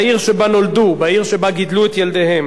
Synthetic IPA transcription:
iʁʃebano̞ld̪ubaiʁʃebaɡid̪luet̪jeld̪ehem

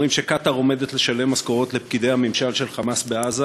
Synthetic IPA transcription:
imʃe̞kat̪aʁo̞me̞d̪e̞tle̞ʃale̞mːaskoʁo̞t̪lepkid̪e̞jhamimʃalʃe̞lχamasbeaza

